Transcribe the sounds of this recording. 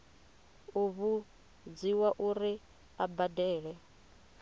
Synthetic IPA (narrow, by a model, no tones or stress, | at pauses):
uβu | d͡ziwaʔuɾi | abadɛːɺɛ